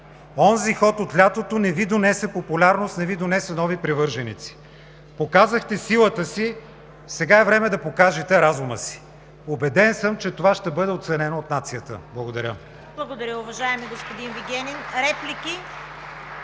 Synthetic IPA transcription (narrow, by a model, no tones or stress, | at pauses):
ɔnzixɔt̪ot̪lʲat̪ot̪onɛvid̪onɛsɛpopulʲaɾnost̪nɛvid̪onɛsɛnɔvipɾɛvɤɾʒɛnḭt̪si̥ | pokazəxt̪ɛsilˠət̪əsi | sɛɡaɛvɾɛmɛd̪ɐpokaʒɛt̪ɛɾazuməsi̥ | obɛd̪ɛnsɤmt͡ʃɛt̪ovaʃt̪ɛbɤd̪ɛot̪sɛnɛnoot̪nat̪sijət̪ə̰blˠɐɡod̪ɐɾʲə | blˠɐɡod̪ɐɾʲəʊvɐʒaɛmiɡospod̪inviɡʲɛnʲinɾɛplʲiki